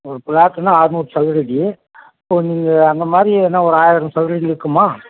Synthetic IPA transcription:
ɔɾɯpɪlaːʈ̪ːɐnãːaːɾɯmuːpsɐʋɪɾɪɽi | ɐpːoːniːŋɡɐɐnd̪ɐmaːd̪ɾienːaɔɾɯaːjɪɾɐmsɐʋɪɾɐɽiɪɾɯkːɯmaː

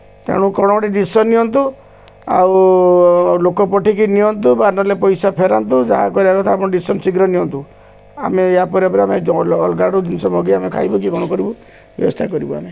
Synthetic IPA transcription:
t̪ḛɽ̃ũkɔɽ̃ɔɔʈiɖisɔnːiɔnt̪u | a̰w | lokɔpɔʈikiniɔnt̪ubanɔlepɔjsapʰeɾant̪ud͡ʒaɦa̰kɔɾiakɔt̪ʰaapɔɽ̃ɔɖisɔnsiɡɾɔniɔnt̪u | a̰meːapɔɾiapɔɾiameːlɡaɽud̪insɔmɔɡiamekʰa̰jbɔk̬ikɔɽ̃ɔkɔɾibu | bjɔ̰bɔ̰st̪ʰakɔɾibua̰me

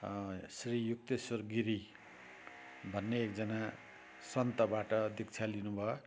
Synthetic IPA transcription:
srijuk̚t̪esʌrɡiɾi | bʱʌnːeːk̚d͡zʌna | sʌnt̪ʌbaʈʌd̪ikt͡sʰalinubʱʌo

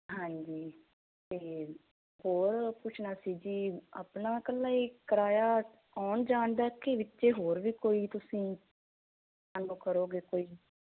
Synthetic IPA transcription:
ɦãːɲd͡ʒiː | t̪eː | ɦoːɾpʊt͡ʃʰnaːsiːd͡ʒiːa̰pnaːkəlːaːikəɾaːjaː | ɔːnd͡ʒaːɳd̪aːkeʋɪtːʃeːɦoːɾʋiːkoːiːt̪ʊsĩː | aːnũːkəɾoːɡeːkoːiː

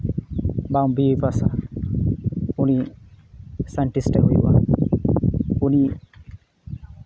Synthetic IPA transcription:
bawbiipasa̰ | uni | saɳʈisʈeɦojwa̰ | uni

